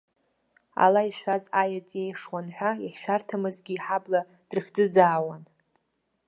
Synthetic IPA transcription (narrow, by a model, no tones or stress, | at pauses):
a̰laiʃᶣʷazajat͡sʼejʂwanħʷᶣajaχʲʃʷᶣartʰamɨzɡʲiːħabla | d̥rɨχʲd͡zɨd͡zaːwan